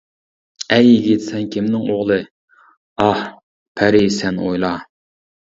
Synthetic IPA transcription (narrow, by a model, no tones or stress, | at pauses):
ɛjiɡʲit̪ʰsɛnkʲʰimnɪŋoʁlˠɨ | ɑh | pʰæɾɪsɛnojlˠɑ